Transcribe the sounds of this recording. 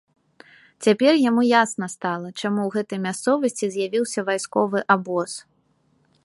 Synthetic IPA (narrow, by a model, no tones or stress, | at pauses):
t͡sʲapʲɛrjamujasnɐst̪alˠɐt͡ʂamuwɣɛt̪ɐjmʲast̪sɔvɐsʲt͡sʲizʲjavʲiwsʲɐvajskɔvɨʔabɔs